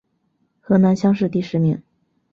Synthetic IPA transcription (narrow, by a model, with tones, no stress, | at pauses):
xɤ˧˥na˧˥nɕjɑ˥ŋʂ̬ɻ̩˥˧t̪i˥˩ʂɻ̩˧˥˧mḭ˧˩˦ŋ